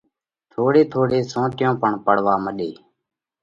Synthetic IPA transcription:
t̪ʰoːɽeːt̪ʰoːɽeːsõːʈɪjõːpəɳpəɽ̤ʋaːməɗeː

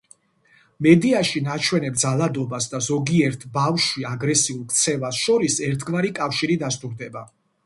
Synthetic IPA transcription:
mɛd̪iaʃinat͡ʃʰwɛnɛp̚d̪zalˠad̪ɔbasd̪azɔɡiɛɾt̪ʰbafʃwiaɡɾɛsiulˠk̚ʰt̪sʰɛvasʃɔɾisɛɾt̪ʰɡvaɾikʼafʃiɾid̪ast̪ʼuɾd̪ɛba

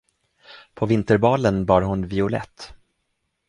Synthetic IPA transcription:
pʰɔvɪnt̪əɾbɑːlənbɑːɾɦʊnvɪʊlɛ̰t̪ː

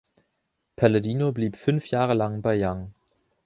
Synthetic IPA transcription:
pʰaɐladiːnobliːpfʏnfjaːʁəlaŋbaɪjaŋ

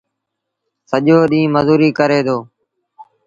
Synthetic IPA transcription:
səʄoːɗĩːməzuːɾiːkəɾeːd̪oː

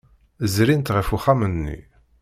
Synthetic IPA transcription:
zɾint̪ʁəfuχamənːḭ

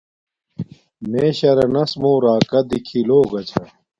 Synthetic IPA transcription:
meɕɐɾɐnɐsmoːɾaːkɐd̪ikʰiloːɡɐt͡ɕʰɐ

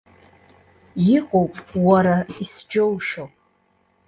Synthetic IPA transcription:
jɪqʼowpʼwaɾaisd͡ʒowʂowpʼ

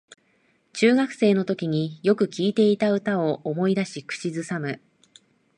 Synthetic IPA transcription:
t͡ɕɨːɡakɯ̟̥se̞ːno̞t̪o̞kʲiɲ̟ijo̞kɯ̟kʲiːt̪e̞it̪aɯ̟t̪ao̞ʔːmo̞id̪aɕikɯ̟̥t͡ɕizɨsamɯ̟

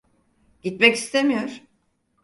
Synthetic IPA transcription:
ɟ̥it̪mɛcist̪ʰemijoɾ̥

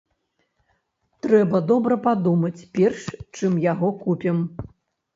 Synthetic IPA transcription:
t̪ɾɛbɐd̪ɔbɾɐpad̪umɐt͡sʲpʲɛrʂt͡ʂɨmjaɣɔkupʲɛm

